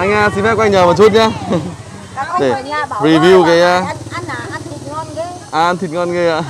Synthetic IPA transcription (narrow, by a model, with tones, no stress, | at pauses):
ʔa˧jŋ̟aː˧si˧nfɛ˦˥p̚kːŋɲəː˨˩mə˨˩t͡ɕu˦t̚ɲaː˧ | ɗe˧˩ɹi˨˧˩vi˧wɣə˨jaː˧˩ | ʔaː˧˩˧nt̪ʰi˨˩ŋɔ˧nɣə˧˩a̰ː˧˨